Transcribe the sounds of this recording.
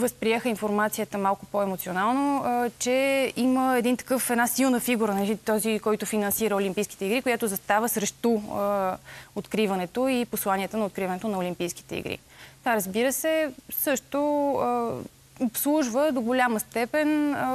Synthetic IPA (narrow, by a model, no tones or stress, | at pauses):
vəspɾiɛxəinfoɾmat̪sijət̪əmalˠkʊpɔɛmot̪sionalˠnot͡ʃɛiməɛd̪int̪ɐ̥kɤfɛd̪nasilˠnəfiɡuɾənɐlit̪ɔzikɔjt̪ʊfinɐnsiɾəolʲimpijski̥t̪ɛiɡɾikojat̪ozɐst̪avəsɾɛʃt̪o | ot̪kɾivɐnɛt̪oiposlˠaniɛt̪ənɐot̪kɾivɐnɛt̪onɐolʲimpijski̥t̪ɛ̰ḭɡɾḭ | t̪aɾəzbiɾəsɛsɤʃt̪o | opslˠuʒvəd̪oɡolʲaməst̪ɛpɛn